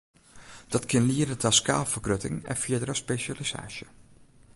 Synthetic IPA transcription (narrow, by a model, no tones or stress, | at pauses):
d̥ɔtkɪnliəɾətʰaska̰ːlˠfərkrøtɪ̰ŋɛ̰nfiədəɾəspeʃalisa̰ːʃjə